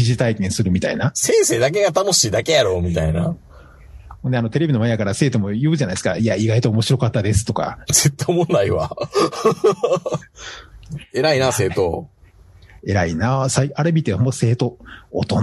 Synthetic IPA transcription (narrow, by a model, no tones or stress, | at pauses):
iʑit̪aikẽ̞ɰ̃sɨɾɯ̟mʲit̪ainasẽ̞ɰ̃se̞ːd̪ak̬e̞ɡat̪ano̞ɕiːd̪ake̞jaɾo̞ːmʲit̪aina̰ | hõnd̪eano̞t̪e̞ɾeinmajakaɾase̞ːt̪o̞mo̞jɯ̟ːʑanaisɨ̥ka̰iaiɡait̪oomo̞ɕiɾo̞kat̪ːad̪e̞sɨ̥t̪o̞ka̰zet̪ːomõnːaiβa | e̞ɾainase̞ːt̪o | e̞ɾainasaiaɾebʲit̪eõmse̞ːt̪o̞ːt̪on